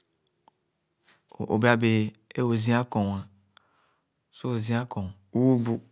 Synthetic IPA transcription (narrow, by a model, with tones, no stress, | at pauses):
ʔo̰˨bi˦a˦be˨e˦o˨zĩ˦a˦kɔ˨wa˨ | so˦o˨zĩ˦a˦kɔ̃˨u˦u˦bu˦